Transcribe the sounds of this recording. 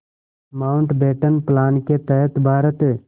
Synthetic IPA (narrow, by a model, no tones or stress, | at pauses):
maːʊɳʈbeːʈənplaːnket̪əɦət̪bʱaːɾət̪ː